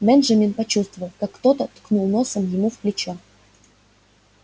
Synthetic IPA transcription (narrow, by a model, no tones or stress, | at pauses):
bɛnʐəmʲinpɐt͡ɕust̪vəvəlˠkakːt̪ot̪ət̪knulˠnosəmjɪmufplʲɪt͡ɕo